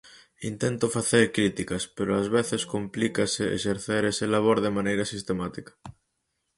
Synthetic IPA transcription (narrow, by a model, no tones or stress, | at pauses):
int̪ent̪ofaθeɾkɾit̪ikaspeɾoazβeθeskomplikaseḛʃeɾθeɾeselaβ̞oɾðemãnejɾasist̪emat̪ikḁ